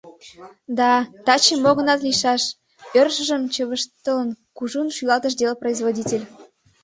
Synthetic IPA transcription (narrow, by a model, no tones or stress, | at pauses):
d̪ɑt̪ɑt͡ɕemoɣə̆nɑt̪liʃɑʃ | ørʃə̆ʒəmt͡ɕəβəʃt̪ələnkuʒunʃylɑt̪ə̆ʃ̬d̪elproizβodʲitʲelʲ